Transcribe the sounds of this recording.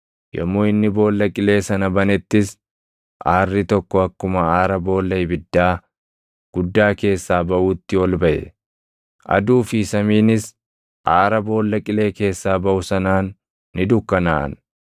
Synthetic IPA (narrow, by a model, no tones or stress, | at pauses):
jɔ̰mːoːɪnːɪbo̞ːlːɐkʼɪle̞ːsɐnɐbɐnɛt̪ːɪs | ʔaːrːɪt̪ɔkːɔɐkːʊmɐaːɾɐbo̞ːlːɐjbɪd̪ːaː | ɡ̥ʊd̪ːaːke̞ːsːaːbɐʔuːt̪ːɪɔlbɐʔɛ̰ | ʔɐ̰d̪uːfɪsɐmiːnɪs | ʔaːɾɐbo̞ːlːɐkʼɪle̞ːke̞ːsːaːbɐʔʊsɐnaːnː | ɪd̪ʊkːɐnaːʔɐ̰n